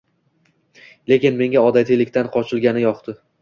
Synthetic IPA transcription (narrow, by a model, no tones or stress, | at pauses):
le̞kʲɪnme̞ŋʲaɒd̪at̪ʰijlɪkʲt̪ʰanqʰɒt͡ʃʰɪlɡʲanɪjɒqt̪ʰɪ